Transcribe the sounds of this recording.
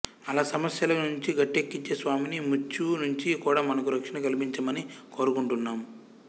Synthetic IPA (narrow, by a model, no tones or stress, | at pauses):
ɐlaːsɐmɐsjɐlɐnuɲt͡ʃiɡɐʈːekːit͡ʃesʋaːminimut͡ʃːunuɲt͡ʃikuːɽaːmɐnɐkuɾɐkʂɐnɐkɐlipiɲt͡ʃɐmɐniko̞ːɾukuɳʈunːaːm